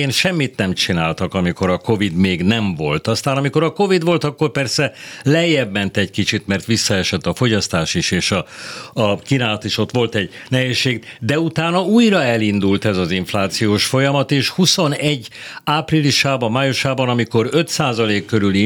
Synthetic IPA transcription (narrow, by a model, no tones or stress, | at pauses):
eːnʃɛmːit̪nɛmt͡ʃinaːlt̪ɒkɒmiko̞ɾɒko̞vid̪meːɡnɛɱvo̞̰lt̪ɒst̪aːnɒmiko̞ɾɒko̞vid̪ʋo̞lt̪ɒkːo̞rpɛrsɛlɛjːɛbmɛnt̪ɛckit͡ʃit̪mɛrt̪ʋisːɒɛʃɛt̪ːɒfo̞ɟɒst̪aːʃiʃeːʃɒː | kinaːlɒt̪iːʃo̞t̪ʋo̞lt̪ɛɟ | nɛɦeːʃːeːɡd̪ɛut̪aːnɒuːjrɒɛlind̪ult̪ɛzɒziɱflaːt̪sijoːʃfo̞jɒmɒt̪eːʃhuso̞nɛɟːaːpriliʃaːbɒmaːjuʃaːbɒnɒmiko̞ɾø̞t̪saːzɒleːkːøɾyli